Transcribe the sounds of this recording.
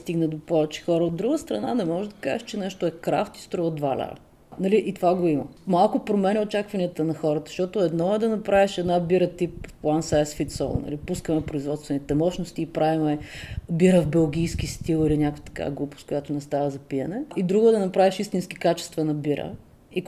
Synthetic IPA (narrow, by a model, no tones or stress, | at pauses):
st̪iɡnəd̪opɔvɛt͡ʃɛ̥xɔɾəod̪ɾuɡəst̪ɾɐna̰nɛmɔʒɛd̪ɐka̰ʒɛʃt͡ʃɛnɛʃt̪oɛkɾa̰ft̪i̥st̪ɾɔvod̪valʲa̰ɾ̰ | nɐliʔit̪ovaɡoimə̰malˠkʊpɾomɛnʲɛot͡ʃakvɐniət̪ənɐxɔɾət̪ə̥ʃt̪ɔt̪oɛd̪nɔɛd̪ɐnɐpɾaviʃɛd̪nabiɾət̪ipplˠansaɛsfit̪sɔ̰lˠnɐ̰lipuskəmɛpɾoizvɔt̪st̪vɛnit̪ɛmɔʃnost̪iːpɾavimɛbiɾəvbɛlˠɡ̟ʲijsk̟ist̪ilˠilinʲakot̪ɐ̥ka̰ɡlˠupʊ̥skʊjat̪onɛst̪avəzɐpiɛnɛid̪ɾuɡʊɛd̪ɐnɐpɾaviʃist̪inski̥kat͡ʃɛ̥st̪vɐnɐbiɾə̰ | i